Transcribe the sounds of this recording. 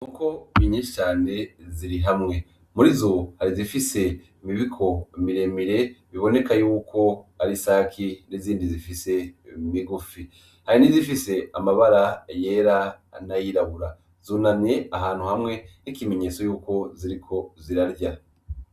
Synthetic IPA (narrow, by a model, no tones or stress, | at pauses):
nukʰo̞miɲiʃt͡ʃaːne̞ziɾiɦamŋe̞ | muɾizo̞haɾizifise̞ | imiβikʰo̞miɾe̞miɾe̞βiβo̞ne̞kajuːko̞aɾisaːkʰiniziːndizifise̞miɡufi | haɾinizifise̞amaβaɾaje̞ːɾa | najiɾaβuɾa | zuːnamɲe̞aɦaːn̥huhamŋe̞nikime̞ɲe̞ːt͡sojuːko̞ziɾikʰo̞ziɾaɾja